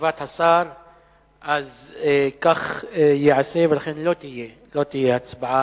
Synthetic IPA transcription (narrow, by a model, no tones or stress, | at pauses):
vat̪hasaɾ | ʔazkaχjeʕasevelaχenlot̪ije | lot̪ijeat͡sbaʕa